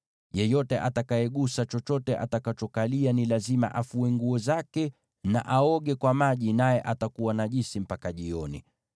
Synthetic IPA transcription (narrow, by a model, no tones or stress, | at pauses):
jɛjɔtɛʔatakajɛɠusat͡ʃɔt͡ʃɔtɛʔa̰takat͡ʃɔkalianilazima̰ʔafuɛŋɡuɔzakɛ | na̰ʔaɔɠɛkwamaʄinajɛʔatakuwanaʄisim̩pakaʄiɔnḭ